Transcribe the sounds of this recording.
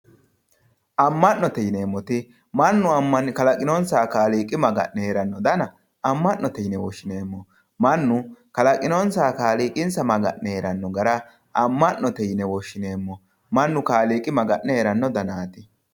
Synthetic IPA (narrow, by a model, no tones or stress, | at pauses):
ʔɐmːɐnːɔt̪ɛjneːmːɔt̪ɪ | mɐnːʊɐmːɐnkɐlɐkʼɪnoːnsaːkaːliːkʼːɪmɐɡɐ̰ʔnɛɾɐnːɔd̪ɐnɐ | ɐmːɐnnːɔt̪ɛjnɛwɔʃːɪneːmːɔ | mɐnːʊkɐlɐkʼɪnoːnsaːkaːliːkʼɪnsɐmɐɡɐ̰ʔnɛɾɐnːɔɡɐɾɐ | ɐmːɐnnɔt̪ɛjnɛwɔʃːɪneːmːɔ | mɐnːʊkaːliːkʼɪmɐɡɐʔːɛeɾɐnːɔd̪ɐnaːt̪ɪ